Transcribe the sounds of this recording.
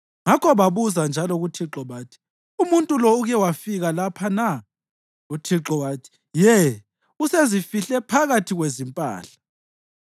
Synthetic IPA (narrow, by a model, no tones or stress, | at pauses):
ŋakʰɔβaβuzand͡ʒʱalɔɣutʰiǁɔβaːtʰi̥ | umuntʼulɔuɣɛwafiɣalapʰana | utʰiǁɔwaːtʰi̥ | jɛ | usezifiɬɛpʰaɣatʰiɣwezimpʼa̰ːɬḁ